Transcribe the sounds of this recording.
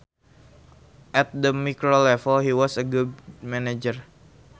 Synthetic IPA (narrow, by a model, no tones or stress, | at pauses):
ʔɛt̪̚dəmikɾolɛfəlɦiwɔsəɡudmɛned͡ʒər